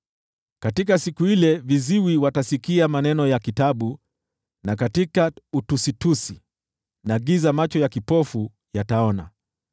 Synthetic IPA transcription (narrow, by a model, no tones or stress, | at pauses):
katikasikuilɛviziwiwatasikiamanɛnɔjakitaɓu | nak̬atikautusitusi | naɠizamat͡ʃɔjakipɔfu | jataɔna̰